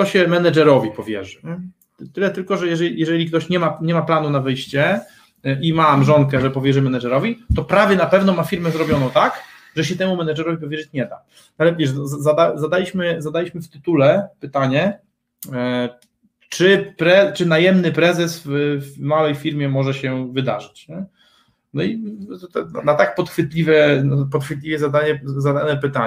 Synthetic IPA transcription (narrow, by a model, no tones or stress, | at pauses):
t̪ɔɕɛmɛnad͡ʐɛɾɔvʲipɔvʲjɛ̰ʐɘ | t̪ɘlɛt̪ɘlkɔʐɛjɛʐɛjɛʐɛlʲikt̪ɔɕɲɛmaɲɛmaplanunavɘjɕt͡ɕɛ | ʔimamʐɔŋkɛʐɛpɔvʲjɛʐɘmɛnad͡ʒɛɾɔvʲit̪ɔpɾavʲjɛnapɛvn̪ɔmafʲiɾmɛzɾɔbʲjɔnɔ̃w̃t̪ak | ʐɛɕ̬ɛt̪ɛmumɛnad͡ʐɛɾɔvʲip̬ɔvʲjɛʐɘt͡ɕɲɛd̪a̰ | alɛvʲjɛʂzazad̪azad̪alʲiɕmɘzad̪alʲiɕmɘft̪ɘt̪ulɛpɘt̪aɲɛ | t͡ʂɘpɾɛt͡ʂɘnajɛmnɘpɾɛzɛsvfmawɛjfʲiɾmʲjɛmɔʐɛɕɛvɘd̪a̰ʐɘt͡ɕɲɛ | nɔit̪ɛanat̪ak̚pɔt̪xfɘt̪lʲivʲɛnpɔt̪xfɘt̪lʲivʲjɛzad̪aɲɛzad̪anɛpɘt̪aɲ